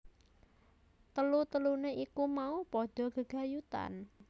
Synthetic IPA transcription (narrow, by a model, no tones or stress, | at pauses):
t̪əlut̪əluneʔikumaupɔɖ̥ɔ̤ɡ̥əɡ̥a̤jut̪a̰n